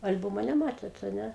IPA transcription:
ɐlʲˈbʊmoː nʲɛˈmɑːtʲeːt ɐ ˈnʲɛ

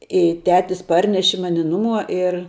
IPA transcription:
ɪ ˈtʲæːtʲɪs ˈpɐrʲnʲɛʃʲɪ ˈmɑːnʲɪ ˈnʊˌmuɔ ɪr

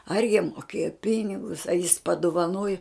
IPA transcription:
ɐr jiɛm moːˈkʲeːjoː ˈpʲɪnʲɪɡʊs ɐ jɪs pɐdʊʋɐˈnoːjʊ

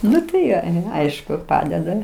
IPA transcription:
ˈnʊ tɐɪ ˈjoː ˈɐɪʃkʊ ˈpɑːdʲɛdɐ

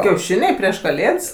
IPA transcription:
kʲɛʊˈʃʲɪnʲɛɪ pʲrʲiɛʃ kɐˈlʲeːts

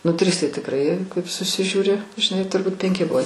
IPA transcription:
ˈnʊ ˈtʲrʲɪs tɐɪ tʲɪkˈrɐɪ kɐɪp sʊsʲɪʒʲuːˈrʲɪ ʒʲɪˈnɐɪ tʊrˈbuːt pʲɛŋʲˈkʲɪ ˈbʊʋoː

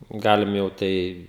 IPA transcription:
ˈɡɑːlʲɪm jɛʊ ˈtɐɪ

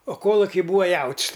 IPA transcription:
oː ˈkoːlˠʊkʲɪ ˈbuːɐ ˈjɛʊtʲsʲ

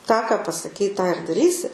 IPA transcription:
tɑː kɐ pɐsɐˈkʲɛɪ tɑː ɪr dɐˈrʲiːsʲɪ

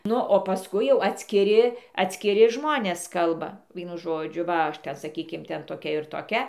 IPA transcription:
ˈnʊ oː pɐˈskʊɪ jɛʊ ɐtʲsʲkʲɪˈrʲɪ ɐtʲsʲkʲɪˈrʲɪ ˈʒmoːnʲeːs ˈkɐlˠbɐ ˈʋʲiɛnʊ ˈʒoːd͡ʒʲʊ ʋɐ ˈɐʃ ˈtʲɛn sɐˈkʲiːkʲɪm ˈtʲɛn toːˈkʲɛ ɪr toːˈkʲɛ

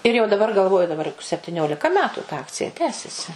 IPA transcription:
ɪr jɛʊ dɐˈbɐr ɡɐlˠˈʋoːjʊ dɐˈbɐr jʊk sʲɛpʲtʲɪˈnʲoːlʲɪkɐ ˈmʲæːtʊ tɐ ˈɑːkt͡sʲɪjɛ ˈtʲæːsʲɛsʲɪ

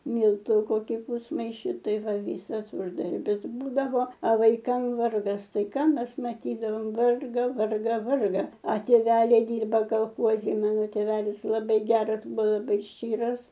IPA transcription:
ˈmʲiːlˠtuː ˈkoːkʲɪ ˈpuːsmɐɪʃʲɪ ˈtɐɪ ˈʋɐ ˈʋʲiːsɐs ˈʊʒdɐrʲbʲɪs ˈbuːdɐʋoː ɐ ʋɐɪˈkɐm ˈʋɐrɡɐs ˈtɐɪ ˈkɑː ˈmʲɛs mɐˈtʲiːdɐʋoːm ˈʋɐrɡɐ ˈʋɐrɡɐ ˈʋɐrɡɐ ɐ tʲeːˈʋʲæːlʲɛɪ ˈdʲɪrbɐ kɐlˠˈxoːzʲɪ ˈmɑːnoː tʲeːˈʋʲæːlʲɪs lˠɐˈbɐɪ ˈɡʲæːrɐs ˈbʊ lˠɐˈbɐɪ ˈʃʲt͡ʃʲiːrɐs

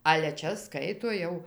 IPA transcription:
ɐlʲɛ ˈt͡ʃʲɛ ˈskɐɪtoː ˈjɛʊ

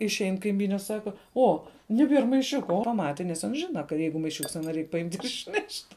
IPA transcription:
ɪʃʲˈɛɪn kɐɪˈmʲiːnʲɛ ˈsɑːkɐ ˈoː nʲɛˈbʲiɛr mɐɪˈʃʲʊkɐ oː ˈmɑːtʲɪ ˈɐns ˈʒʲɪnɐ kɐ ˈjɛɪɡʊ mɐɪˈʃʲʊks ˈɑːnoː ˈrʲɛɪk pɐˈɪmʲtʲ ɪʃʲˈnʲɛʃʲtʲ

